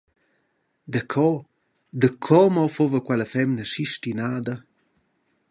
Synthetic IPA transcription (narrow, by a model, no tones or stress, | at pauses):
d̪əkʰɔ | d̪əkʰɔmɔfovəkwɛləfɛmnəʃiʃtinaːd̪ə